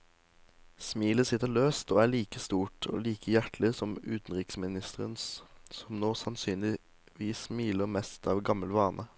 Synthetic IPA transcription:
smiːləsɪt̪ːəʁɭøːst̪oːæːɭiːkəst̪uːʈʰo̰ːliːkʰəjæʈlɪsɔmʉːt̪n̩ʁɪksmɪnɪst̪ʰəʁə̰nssɔmnoːsɑnsyːnlɪ | ʋiːsmiːləʁmɛst̪ʰɑːʋɡɑməlʋɑːnʔə

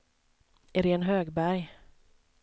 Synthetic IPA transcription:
ɛɾɛɛnɦøːɡbæɾj

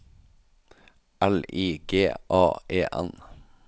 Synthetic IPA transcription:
ʔæliːɡ̥eːʔɑːʔeːʔɛ̰n

